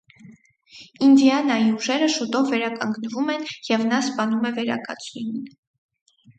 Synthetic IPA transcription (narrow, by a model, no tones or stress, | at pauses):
ind̪iɑnɑjiuʒɛɾəʃut̪ɔvːɛɾɑkɑŋɡnəvumɛnjɛvnɑspɑnumɛvɛɾɑ̰kɑ̰t͡sʰninin